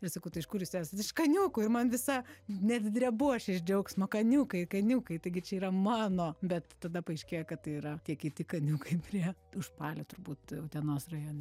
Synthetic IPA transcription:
ɪrsɐkɐʊt̪ɐɪʃkʊːɾjuːsæːsɐt̪ɪʃkɐnʲuːkʊːɪrmɐnʋʲɪsɐnʲɛd̪ʲd̪ʲɾʲɛbuɔʃʲɪʒʲd͡ʒʲɛʊksmɐkɐnʲuːkɐɪkɐnʲuːkɐɪt̪ɐɪɡʲɪt͡ʃʲɛiːɾɐmɑːnoːbʲɛt̪t̪ɐd̪ɐpɐɪʃʲkʲeːjokɐtt̪ɐɪiːɾɐtʲiɛkʲɪt̪ʲɪkɐnʲuːkɐɪpʲrʲiɛʊʃpɑːlʲot̪ʊɾbuːt̪ɐʊt̪ʲɛnoːsrɐjoːnʲɛ

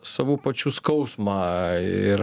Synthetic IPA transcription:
sɑːʋuːpɐt͡ʃʲuskɐʊsmɑːɪ̰ɾ

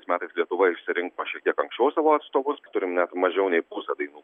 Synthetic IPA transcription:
ɪsmʲæːt̪ɐɪslʲiɛt̪ʊʋɐɪʃʲsʲɪɾʲɪŋkoːʃʲɛk̚t̪ʲiɛkɐŋksʲt͡ʃʲɛʊsɑːʋoːɐt̪st̪oːʋʊst̪ʊɾʲɪmnʲɛt̪mɐʒʲɛʊnʲɛɪpusɐd̪ɐɪnuː

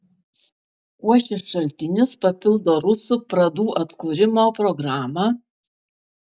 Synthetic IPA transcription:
uɔʃʲɪsʃɐlʲt̪ʲɪnʲɪspɐpʲɪlˠd̪oːɾʊsupɾɐd̪uːʔɐt̪kuɾʲɪmoːpɾɔɡɾɑːmɑ

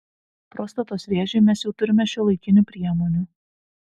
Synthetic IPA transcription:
pɾoːst̪ɐt̪oːsʋʲeːʒʲɛɪmʲɛsjɛʊt̪ʊɾʲɪmʲɛʃʲɛlˠɐɪkʲɪnʲuːˑpʲɾʲiɛmonʲuː

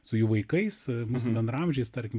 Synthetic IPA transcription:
sʊjuːʋɐɪkɐɪsmuːsʊbʲɛnd̪ɾɐmʒʲɛɪst̪ɐɾʲkʲɪm

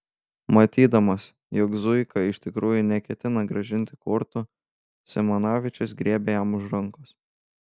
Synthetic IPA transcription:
mɐt̪ʲiːd̪ɐmɐs | jɔkzʊɪkɐɪʃʲt̪ʲɪkɾuːjʊnʲɛkʲɛt̪ʲɪnɐɡɾɐʒʲɪnʲt̪ʲɪkʊɾt̪ʊ | sʲɛmɐnɑːʋʲɪt͡ʃʲʊsɡɾʲiɛbʲeːjɛmʊʃɾɐŋkʊs

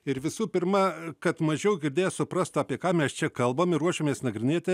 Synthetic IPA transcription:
ɪɾʋʲɪsuːpʲɪɾmɐkɐt̪mɐʒʲɛʊɡʲɪɾʲd̪ʲeːjosʊpɾɐst̪ɑːpʲiɛkɑːmʲɛst͡ʃʲɛkɐlˠbomɪɾuɔʃʲoːmʲeːsnɐɡɾʲɪnʲeːt̪ʲɪ

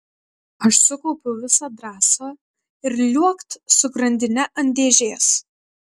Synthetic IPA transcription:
ɐʃsʊkɔʊpʲʊʋʲɪsɑːd̪ɾɑːsɐː | ɪɾlʲuɔkt̪sʊɡɾɐnʲd̪ʲɪnʲɛʔɐnʲd̪ʲeːʒʲeːs

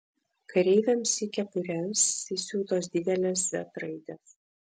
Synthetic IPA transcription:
kɐɾʲɛɪʋʲɛmsʲikʲɛpʊɾʲɛmsisʲuːt̪oːs̬d̪ʲɪd̪ʲɛlʲɛsʋʲɛ̰t̪ɾɐɪd̪ʲɛs

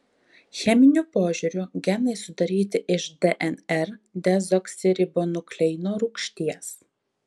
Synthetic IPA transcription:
xʲɛmʲɪnʲʊpoːʒʲʊɾʲʊɡʲɛnɐɪsʊd̪ɐɾʲiːt̪ʲɪʔɪʃd̪ʲɛʔɛnɛɾd̪ʲɛzɔksʲɪɾʲɪboːnʊklʲɛɪnoːɾʊkʃʲt̪ʲiɛs

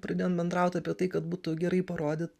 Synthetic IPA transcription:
pɾɐd̪ʲeːonbʲɛnd̪ɾɑʊt̪ʲɐːpʲiɛt̪ɐɪkɐt̪buːt̪ʊɡʲɛɾɐɪpɐɾoːd̪ʲɪːt̪

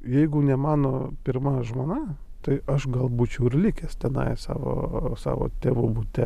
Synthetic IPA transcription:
jɛɪɡʊnʲɛmɑːnoːpʲɪɾmɐʒmoːnɑ | t̪ɐɪɐʃɡɐlˠbuːt͡ʃʲɛʊɪrlʲɪkʲɛst̪ʲɛnɐ̰ɪsɑ̰ːʋo̰ːsɑ̰ːʋo̰ːt̪ʲeːʋubut̪ʲɛ

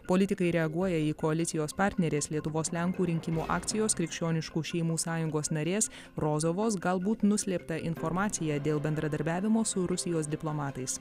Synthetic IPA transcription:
poːlʲɪt̪ʲɪkɐɪɾʲɛɐɡuɔjɛiːkoɐlʲɪt̪sʲɪjoːspɑɾʲt̪ʲnʲɛɾʲeːslʲiɛt̪ʊʋoːslʲɛŋkuːɾʲɪŋʲkʲɪmuːʔɑ̰ːkt̪sʲɪjoːskɾʲɪkʃʲt͡ʃʲoːnʲɪʃkuːʃʲɛɪmuːsɑːjʊŋɡoːsnɐɾʲeːs | ɾoːzoːʋoːsɡɐlˠbuːt̪nʊsʲlʲeːpt̪ɐʔɪnfɔɾmɑːt̪sʲɪjæːd̪ʲeːlˠbʲɛnd̪ɾɐd̪ɐɾʲbʲæːʋʲɪmoːsʊɾʊsʲɪjoːsd̪ʲɪplˠoːmɑːt̪ɐɪs

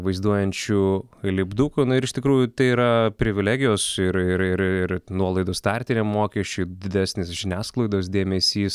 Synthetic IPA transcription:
ʋɐɪzd̪uɔjɛnʲt͡ʃʲulʲɪbd̪uːkunʊɪɾɪʃt̪ʲɪkɾuːjʊt̪ɐɪiːɾɐpʲɾʲɪʋʲɪlʲæːɡʲɪjoːsɪɾɪɾɪɾɪɾnuɔlˠɐɪd̪oːst̪ɑɾʲt̪ʲɪnʲemmoːkʲɛsʲt͡ʃʲuːd̪ʲɪd̪ʲæːsʲnʲeːsʒʲɪnʲæːsklˠɐɪd̪oːsd̪ʲeːmʲɛsʲiːs

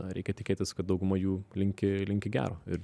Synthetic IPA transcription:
ɾʲɛ̰ɪkʲɛt̪ʲɪkʲeːt̪ʲɪskɐt̪d̪ɒʊɡʊmɐjuːlʲɪŋʲkʲɪlʲɪŋʲkʲɪɡʲæ̰ːɾoːɪ̰ɾ

